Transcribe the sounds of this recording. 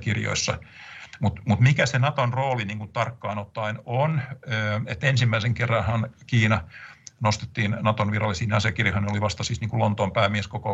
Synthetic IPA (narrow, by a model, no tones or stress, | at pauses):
kirjo̰isːɑmut̪mut̪mikæsenɑt̪onroːliniːŋkunt̪ɑrkːɑinot̪ːɑinonøːet̪ːensimːæiseŋkerːɑnhɑnkiːnɑnost̪e̥t̪ːiːnnɑt̪onʋirɑlːˑisiːneɑsiɑkirjɑhɑneoliʋɑst̪ɑsiːsniːŋkulont̪oːmpæːmieskoko